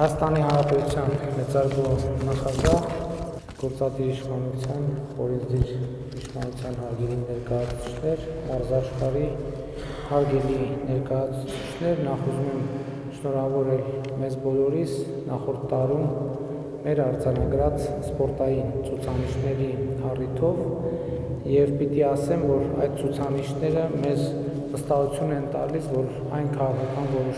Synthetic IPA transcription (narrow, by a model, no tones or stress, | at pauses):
hɑjɑst̪ɑnihɑnɾɑpɛt̪ut͡sʰjɑnmɛt͡sɑɾvɔnɑχɑɡɑh | ɡ̥ɔɾt͡sɑd̪iɾiʃχɑnut͡sʰjɑnɔ̰ɾɛnd͡z̪iɾ | iʃχɑnut͡sʰjɑnɦɑɾɡɛlinɛɾkɑjɑt͡sʰu̥t͡sʰi̥t͡ʃʰnɛɾmɑɾzɑʃχɑɾi | hɑɾɡɛlinɛɾkɑjɑt͡sʰut͡sʰi̥t͡ʃʰnɛɾnɑχuzumɛm | ʃnɔɾɑvɔɾɛlmɛzbɔlɔɾis | nɑχɔɾt̪ʰːɑɾumː | ɛɾɑɾd͡zɑnɑɡɾɑt͡sspɔɾt̪ɑjint͡sʰut͡sʰɑniʃnɛɾiɑrit̪ʰɔv | jɛvpit̪iɑsɛnvɔɾɑjt̪̚t͡sʰut͡sʰɑniʃnɛɾəmɛz | vəst̪ɑɦut͡sʰjunɛnt̪ɑ̰lisvɔɾ | ɑ̰jnkʰɑʁɑkʰɑkɑnvɔɾɔʃ